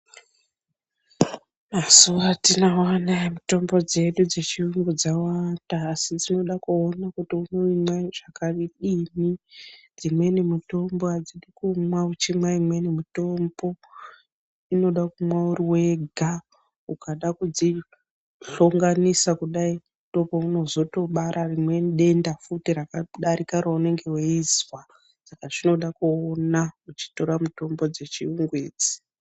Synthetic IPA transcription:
masuwatinawanamuto̞mbo̞d͡ze̞ɗud͡ze̞t͡ʃiruŋɡud͡zawataːsid͡zino̞ɗakuonakutiuno̞imaʐ̥akariɗimid͡zimwe̞nemuto̞mboad͡ziɗikumwaut͡ʃimwaimwe̞nemuto̞mbo̞ | ino̞ɗakumwauriwe̞ɡʱa | ukaɗakud͡zi | ɬoŋɡanisakuɗai | to̞pouno̞zo̞to̞ɓaɾʔarimwe̞nɗe̞ndafutirakaɗaɾikaɾaune̞ŋɡe̞weizwa | sakaʐino̞ɗakuːnaut͡ʃi̥to̞ɾamuto̞mbo̞d͡ze̞t͡ʃiuŋɡweːd͡zi̥

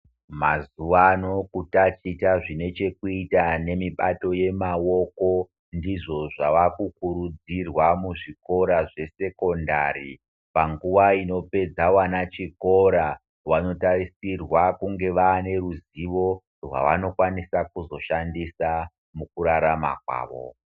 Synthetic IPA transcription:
mazuʋano̞kutat͡ʃitaʐine̞t͡ʃe̞kuitane̞miɓato̞je̞mawo̞ko̞ | ndiʐo̞ʐaʋakukuɾud͡zirwamuʐiko̞ɾaʐe̞se̞ko̞ndari | paŋɡuʋaino̞pe̞d͡zawanat͡ʃiko̞ɾa | wano̞tarisirwakuŋɡe̞ʋaːne̞ɾuziʋo̞ | rwa̰ʋano̞kwanisakuzo̞ʃandisa | mukuɾaɾama̰kwa̰ːʋo̰

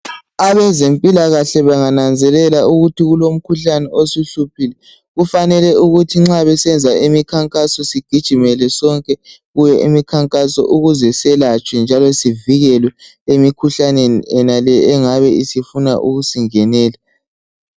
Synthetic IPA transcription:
aβɛzempʼilaɣaɬɛβaŋanand͡zʱɛlɛlauɣutʰiɣulom̩kʰuɬanɛosuɬupʰilɛ | ɣufanɛlɛuɣutʰiŋ͡ǁaβɛsɛnd͡zʱaimikʰaŋkʼasɔsiɡ̥ʱid̥ʒ̥ʱimɛlɛsɔŋkʼɛɣujɛʔimikʰaŋkʼasɔ̰ʔuɣuzɛsɛlat͡ʃʼwɛnd͡ʒʱalɔsiviɣɛlwɛ | emikʰuɬaneniɛnalɛːŋaβɛisifuna̰ʔṵɣusiŋɛnɛːla

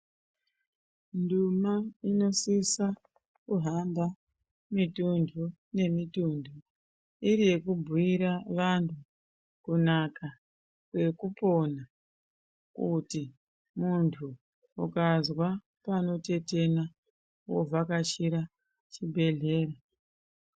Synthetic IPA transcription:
ndumaino̞sisa | kuɦamba | mitundʰʱu | ne̞mitundʱu | iɾije̞kubʱuiɾaʋantʰu | kunaka | kwe̞kupo̞na | kuti | muntʰu | ukazwa | pano̞te̞te̞na | wo̰vakat͡ʃiɾa | t͡ʃibʱe̞ɮe̞ːra

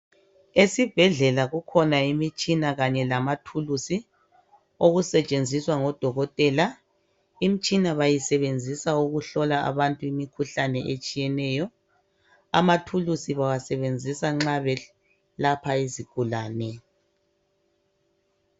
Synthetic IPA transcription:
esib̥ʱɛɮɛlaɣukʰɔnaimit͡ʃʼinaɣaɲɛlamatʰulusi | oɣusɛt͡ʃʼend͡zʱiswaŋɔd̥ʱɔɣɔtʼɛːla | imit͡ʃʼinaβajisɛβend͡zʱisauɣuɬɔlaa̰βantʼuimikʰuɬanɛʔet͡ʃʼijɛnɛjɔ | a̰matʰulusiβawasɛβend͡zʱisaŋ͡ǁaβɛ | lapʰaiziɡ̥ʱulaːnɛ

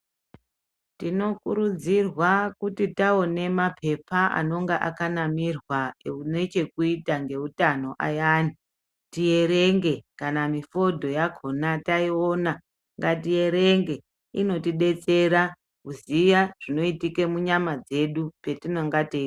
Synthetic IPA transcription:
tino̞kuɾud͡zirwakutitao̞ne̞mapʰe̞paʔa̰no̞ŋɡeʔakanamirwaeune̞t͡ʃe̞kuitaŋɡe̞utano̞ʔa̰jani | tije̞ɾe̞ŋɡe̞kanamifo̞dʱo̞jakʰo̞nataio̞na | ŋɡatije̞ɾeŋɡe̞ | ino̞tiɗe̞t͡se̞ɾa | ɦuzijaʐ̥ino̞itike̞muɲamad͡ze̞ɗupe̞tinoŋɡate

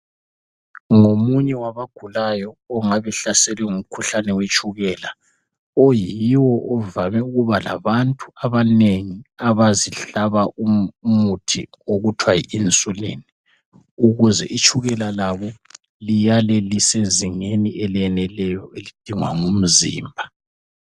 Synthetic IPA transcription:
ŋomuɲɛwaβaɡ̥ʱulajɔːŋaβɛɬasɛlɛŋum̩kʰuɬanɛwet͡ʃʰʼuɣɛla | ojiwɔʔɔvamɛuɣuβala̰βantʼuaβaneŋiaβaziɬaβaʔumutʰḭ | oɣutʰwajḭint͡sʼulḛːni | uɣuzɛ̰ʔit͡ʃʼʰuɣɛlalaβɔ | lijalɛliseziŋeniʔɛlɛnɛlɛjɔelid̥ʱiŋwa̰ŋum̩zḭːmbʱa

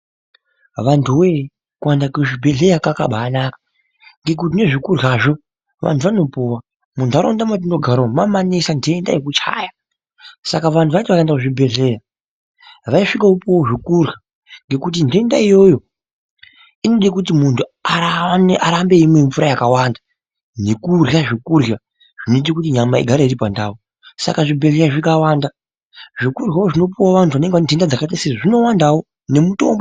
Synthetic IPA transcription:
ʋantʰuwe | kuwandakuʐibʱe̞ɮe̞ɾakaka̰ɓaːnakḁ | ŋɡe̞k̬utine̞ʐikurɣaːʐo̞ | ʋa̰ntʰuʋano̞puwa | muntʰuaɾo̰ndamatinoɡʱaɾomamanisande̞nda̰jekut͡ʃa̰ːja | sakaʋantuʋaitʋaaendakuʐibʱe̞ɮe̞ja | ʋaiʂikaupowoʐikurɣa | ŋɡe̞kut̬indʱe̞nda̰ijo̞jo̞ | ino̞ɗikut̬imuntʰuaaʔaɾambe̞imweɱfuɾajakawaːnda | nekurjaʐikurja | ʐ̥inoit̬ikutiɲamaiɡʱaɾaiɾipandaːwo | sa̰kaʐibʱeɮeɾaʐikawaːnda | ʐikurɣawoʐino̞p̬uwaʋantʰuʋane̞ŋɡeʋande̞ndad͡zakataseʐino̞wandawo | ne̞muto̞̰mbo

